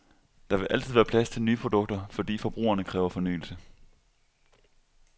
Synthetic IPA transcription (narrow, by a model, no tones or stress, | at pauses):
d̥ɑ̈ʋe̝ʔæl̰t͡sʰð̩̰ˠʋæːɐpʰlæst͡sʰe̝lnyːpʰʁo̝d̥ɔ̽ɡ̥̚d̥ɐfɒ̽d̥ḭːfɒ̽b̥ʁṵːɐnəkʰʁɛːʊɐfɒ̽ny̰ːl̩sə